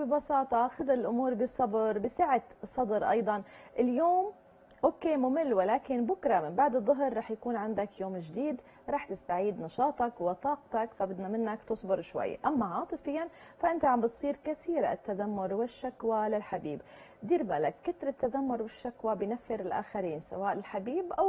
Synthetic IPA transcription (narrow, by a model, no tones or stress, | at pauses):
bibɑsɑːt̪ˤɑxad̪aɪlʔʊmuːɾbɪsˤɑbɾbɪsaʕat̪sˤɑd̪ɾʔɑ̰jd̪ˤɑnʔɪljoːm | ʔoːkːeːmʊmɪlːwalaːkɪnbʊkɾˤɑmɪmbaʕd̪ɨðˤːʊɦɾːˤɑːħjakuːnʕand̪akjoːmʒd̪iːd̪ | ɾˤɑːħt̪ɪst̪aʕiːd̪nɑʃɑːt̪ˤɑkwɪt̪ˤɑːq̚t̪ɑkfabɪd̪namɪnːakt̪ɨsˤbɪɾʃwa̰j̰ːʔamːaʕɑːt̪ˤɨfɪjːanfaʔɪnt̪aʕambɪt̪sˤiːɾkɪθiːɾɪ̰t̪ːad̪amːʊɾwɪʃːakwalɪlħabiːb | d̪iːɾbalakːɪt̪ɾɪt̪ːad̪amːʊɾwɪʃːakwabɪjnafːɪɾɪlʔa̰ːxaɾiːnsa̰waːʔlɪlħabiːbʔaw